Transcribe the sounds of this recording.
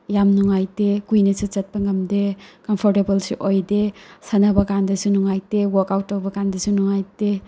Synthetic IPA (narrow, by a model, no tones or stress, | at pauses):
jamnuŋajtekujnɐsut͡ʃɐt̚pɐŋɡɐmdekɔmpʰɔɾtebɐlsiʔojdesanabɐkandɐsunuŋajtewɔkawtːawbɐkandɐsunuŋajte